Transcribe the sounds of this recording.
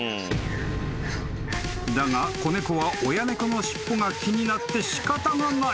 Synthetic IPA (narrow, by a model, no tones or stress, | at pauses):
d̪aŋako̞ne̞koβaʔo̞jane̞kono̞ɕi̥pːo̞ŋakʲiɲ̟inat̪ːe̞ɕi̥kat̪anaŋa